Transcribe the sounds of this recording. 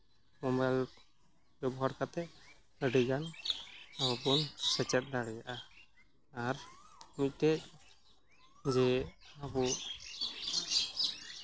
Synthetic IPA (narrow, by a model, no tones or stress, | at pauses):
mɔmbajl | bɛbɔɦaɾkat̪ɛ | əɖiɡan | awapɔnsɛt͡ʃɛt̪̚ˀlaɽɛjaʔaː | ɾmic̚tɛc̚ | d͡ʒɛabɔ